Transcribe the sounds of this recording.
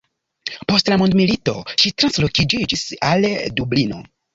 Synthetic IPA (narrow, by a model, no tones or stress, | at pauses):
po̞stlamondmilito̞ʃitɾanslo̞kid͡ʒid͡ʒisaldublino̞̰